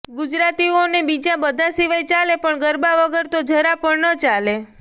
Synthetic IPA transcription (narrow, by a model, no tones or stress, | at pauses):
ɡud͡ʒɾat̪ionebid͡ʒabəd̪ʱasiʋajt͡ʃalepəɳɡəɾbaʋəɡəɾt̪od͡ʒʱəɾapəɽnət͡ʃale